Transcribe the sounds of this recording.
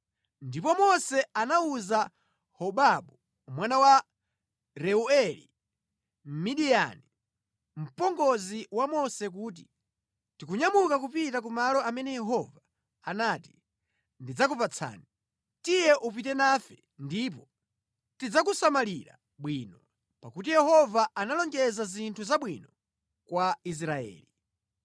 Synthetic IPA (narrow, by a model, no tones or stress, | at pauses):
ndipɔmɔsɛanauza | hɔɓaɓu | mwanawa | ɾɛuɛlḭ | m̩miɗija̰ni | m̩pɔŋɡɔziwamɔsɛk̬uːt̬i | tikuɲamukakupitak̬umalɔamɛnɛjɛɦɔvaː | naːti | ndid͡zakupat͡sʰa̰ːni | tijɛʔup̬itɛnafɛ | ndip̬ɔ | tid͡zakusamaliɾa̰ | ɓwiːnɔ | pakut̬ijɛhɔvaanalɔŋɡɛzazintʰuzaɓwinɔ | kwais̬ɾaɛ̰ːli